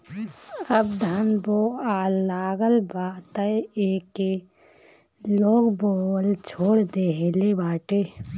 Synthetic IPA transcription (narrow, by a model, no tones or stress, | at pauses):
əbd̪ʱanboːaːlːaːɡəlbaːt̪əeːke | loːɡboːəlt͡ʃʰoːɽd̪eːɦelebaːʈeː